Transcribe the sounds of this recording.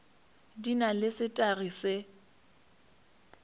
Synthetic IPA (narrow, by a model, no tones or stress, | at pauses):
dinalɪsɪtʼarise